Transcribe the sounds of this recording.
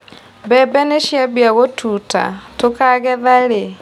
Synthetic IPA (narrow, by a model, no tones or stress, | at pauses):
bɛbɛneʃjaβjaɣotʰuːta̰tokaɣɛðaɾe